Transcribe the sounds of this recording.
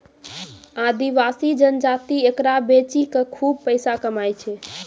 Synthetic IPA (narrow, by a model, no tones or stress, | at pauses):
ad̪iʋasid͡ʒənd͡ʒat̪iekɾabet͡ʃikekʰub̚pəɪsakəmajt͡ʃʰɛ